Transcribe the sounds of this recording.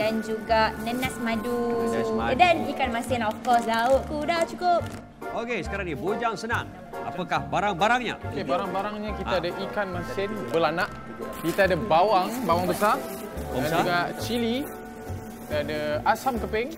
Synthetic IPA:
dand͡ʒuɡaʔnənasmãduadanikanmasɪnɔfkɔslaʊʔ̪̚kudat͡ʃukʊp̚ | okesə̥kaɾaŋɲibod͡ʒaŋsənaŋ | a̰pakahbaɾaŋbaɾaŋɲa̰kebaɾaŋbaɾaŋɲakitaadaʔikanmasɪnbəlanaʔ | kit̪aadabawaŋbawaŋbəsar | doankd͡ʒuɡat͡ʃili | kit̪aadaasamkəpɪŋ

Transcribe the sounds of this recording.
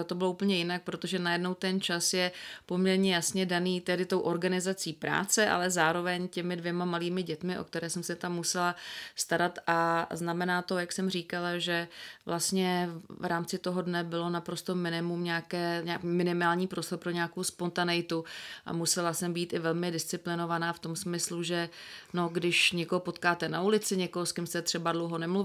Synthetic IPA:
t̪obɪlouːpəɲɛjɪnak̚pɾo̞t̪o̞ʒɛnajɛdno̞wt̪ɛnt͡ʃasjɛpo̞mɲɛɾɲɛjasɲɛdaniːt̪ɛdɪt̪o̞wʔo̞ɾɡanɪzat͡siːpɾa̰ːt͡sɛʔa̰lɛzaːɾo̞vɛɲcɛmɪdvjɛmamaliːmɪɟɛt̪mɪʔo̞̰k̚t̪ɛɾɛːsɛmsɛt̪amːusɛlast̪aɾat̪ʔaznamɛnaːt̪o̞jaksɛmriːkalaʒɛvlast̪ɲɛvɾaːmt͡sɪt̪o̞ɦo̞dnɛbɪlo̞napɾost̪o̞mɪnɪmumɲaːkɛːɲaːkːmɪnɪmaːlɲiːpɾo̞st̪oɾpɾo̞ɲaːkowspo̞nt̪anɛjt̪uʔa̰musɛlasɛmbiːt̪ʔɪvɛlmɪdɪst͡sɪplɪno̞vanaːft̪o̞msmɪsluʒɛno̞ɡdɪʃɲɛkoɦopo̞t̪kaːt̪ɛnaulɪt͡sɪɲɛkoɦoskɪmst̪ɛt̪r̝̥ɛbadlowɦo̞nɛmluv

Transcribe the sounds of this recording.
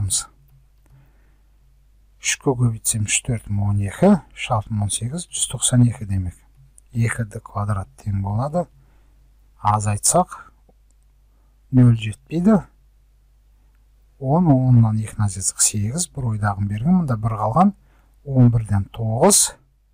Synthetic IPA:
məz̥ | ʏ̥ʃkʲʰɵkʲʰɵbijt̪se̞mɪ̥ʃt̪ʰɵɾt̪wo̞ne̞kʲɪʃɑlˠp̪ʰənwo̞nse̞ɡʲɪzʒʏz̥t̪ʰo̞qsɑne̞kʲɪd̪e̞me̞k | e̞kʲɪd̪ɪkʰvad̪ɾat̪ʰːe̞ŋbo̞lˠɑd̪ə | ɑzɑjt̪sɑq | nɵlʒe̞t̪̚pe̞jd̪ɪ | wo̞nwo̞nːɑne̞kʲɪnazizd̪ə̥qse̞ɡʲɪzbɪɾo̞jd̪ɑʁəmbe̞ɾɡʲɪnmʊnd̪ɑbɪɾqʰɑlˠʁɑn | wo̞nbɪɾd̪e̞nt̪ʰo̞ʁəz̥

